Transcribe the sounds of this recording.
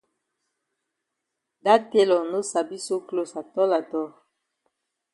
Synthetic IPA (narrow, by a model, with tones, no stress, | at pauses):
da˦te˦lɔ˨no˦sa˨bi˦so˦klo˦sa˨tɔ˦la˨tɔ˦